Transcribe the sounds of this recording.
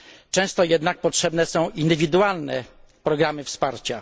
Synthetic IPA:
t͡ʂɛ̃w̃st̪ɔjɛd̪nak̚pɔtʂɛbnɛsɔ̃w̃ʔind̪ɘvʲid̪ualnɛ̰ | pɾɔɡɾamɘfspaɾt͡ɕa

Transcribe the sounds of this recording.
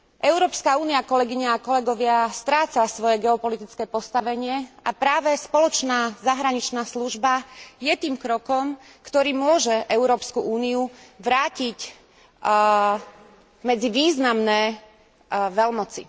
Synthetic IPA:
ʔɛʊɾɔːpskauːniakɔlɛɡiɲaːkɔlɛɡɔʋɪast̪ɾaːt͡sasʋɔjɛɡɛɔpɔlit̪it͡skɛːpɔst̪aʋɛɲɪɛapɾaːʋɛspɔlɔt͡ʃnaːzaɦɾaɲit͡ʃnaːsluʒbajɛt̪iːmkɾɔkɔm | kt̪ɔɾiːmʊɔʒɛʔɛʊɾɔːpskuʔuːniuʋɾaːcic | mɛd͡ziʋiːznamnɛː | ʋɛlmɔt͡sḭ

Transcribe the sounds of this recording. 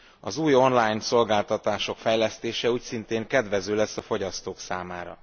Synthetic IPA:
ɒzuːjo̞nlaːjnso̞lɡaːlt̪ɒt̪aːʃo̞kfɛjlɛst̪eːʃɛuːcsint̪eːŋkɛd̪ʋɛzøːlɛsːɒfo̞ɟɒst̪oːksaːmaːɾɒ̰

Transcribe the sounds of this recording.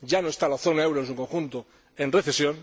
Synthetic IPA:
ʝanoest̪alaθo̞naewɾonsuŋkõŋxunt̪o | enreθesjõn

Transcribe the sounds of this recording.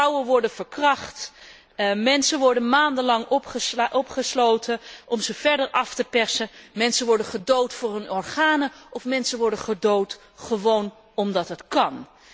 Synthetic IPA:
awəʋɔɹdəvəɹkrɑχt | mɛnsənʋɔɹdənmaːndəlɑŋɔpχəʔɔpχəslowtʰəʔɔmzəv̥ɛɹdəɹʔɑftəpɛɹsəmɛnsəʋɔɹdəχədowtfʊːrɦɵnɔɹχaːnəɔfmɛnsənʋɔɹdəχədowt | χəʋown | ɔmdɑtɦətkɑn

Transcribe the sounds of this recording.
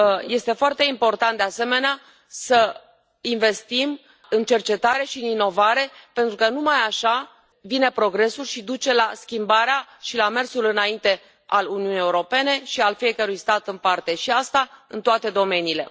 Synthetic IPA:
je̞st̪e̞foart̪e̞impo̞rt̪ant̪̚d̪easeme̞nea | sə | inve̞st̪im | ɨnt͡ʃe̞rt͡ʃe̞t̪aɾe̞ʃiɨnino̞vaɾe̞pe̞nt̪ɾukənumajaʃa | vine̞pɾo̞ɡɾe̞sulʃid̪ut͡ʃe̞laskʲimbaɾeaʃilame̞rsulɨnaint̪e̞ | aluniunijeuɾo̞pe̞ne̞ʃialfije̞kəɾujst̪at̪ɨnpart̪e̞ʃiast̪aɨ̰nt̪oat̪e̞d̪o̞me̞niːle̞

